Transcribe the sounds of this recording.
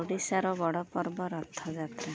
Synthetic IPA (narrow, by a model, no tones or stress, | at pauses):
oɖisaɾɔbɔɽɔpɔɾbɔɾɔt̪ʰːɔd͡ʒat̪ɾa